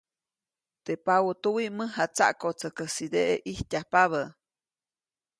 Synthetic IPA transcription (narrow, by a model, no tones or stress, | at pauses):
t̪epawot̪uwiʔməɦat͡sa̰ʔkot͡səkəsid̪eʔeʔihcʲapaβə